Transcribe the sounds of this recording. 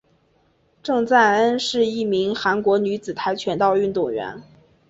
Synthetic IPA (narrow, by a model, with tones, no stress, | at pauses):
ʈ͡ʂɤ˥˧ŋt͡sa˥˩nə˥nʂɻ̩˥˧i˥˩mi˧˥ŋxa˧˥nkwɔ˧˥ny˧˥t͡sɹ̩˨˩t̪ʰa˧˥ɪt͡ɕʰɥɛ˧˥nt̪ɑ˥˧ʊy˥˧nt̪ʊ˥˩ŋɥɛ̰˧˥n